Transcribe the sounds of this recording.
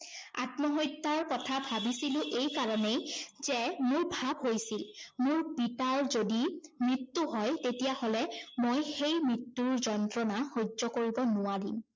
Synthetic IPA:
a̰tmɔɦojtːaɹkɔtʰabʱabisilʊ̃ʔejkaɹɔnejzɛmʊɹbʱabɦojsilmʊɹpitaɹzodimɹitːuɦɔjtetijaholɛmojxejmɹitːuɹzɔntɹɔnaxozɔkoɹibɔnʊwaɹim

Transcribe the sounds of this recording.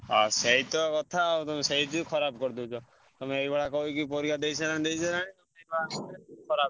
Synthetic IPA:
a̰seɦit̪ɔkɔt̪ʰat̪ɔmeseɦit̪ikʰɔɾabkɔɾd̪ut͡ʃʰɔ | t̪ɔmeeibɛɽakɔɦukipɔɾikad̪ejsanãĩd̪ejsɔɾaɽ̃it̪ɔmeebaɔɾekʰɔɾab

